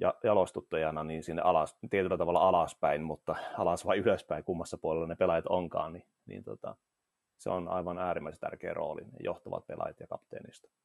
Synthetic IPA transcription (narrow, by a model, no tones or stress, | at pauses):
jɑjɑlost̪ut̪ːɑjɑnɑniːnsinːḛʔɑlɑst̪iet̪ylːæt̪ɑʋɑlːɑɑlɑspæinmut̪ːɑɑlɑsʋɑiyløspæikumːɑsːɑpuolelːɑnepelɑjɑt̪oŋkɑ̰ːnni | nḭːnt̪ot̪ɑ̰ | sḛonɑ̰iʋɑnæːrimːæise̥nt̪æ̰rkḛːro̰ːlḭnḛjoht̪ɑʋɑ̰t̪̚pelɑ̰jɑt̪jɑkɑpt̪ḛːnist̪ɑ̥